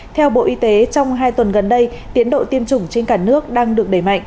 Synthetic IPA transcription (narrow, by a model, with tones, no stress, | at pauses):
t̪ʰɛ˧wɓo̰˧˨ʔi˧t̪e˨˦t͡ɕɔ˧wŋ͡mɦaː˧jt̪wə˨˩nɣə˨˩nɗə˧j | t̪i˨˦ənɗo̰˧˨t̪i˧əmt͡ɕʊ˧˩ŋ͡mt͡ɕe˧nkaː˧˩nɨ˦˥ək̚ɗaː˧ŋɗɨ˨˩ək̚ɗə˧˩jma̰˧˨jŋʔ